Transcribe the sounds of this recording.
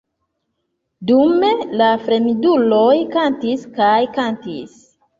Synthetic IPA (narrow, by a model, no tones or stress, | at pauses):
dume̞lafɾe̞midulo̞jkantiskajkantḭs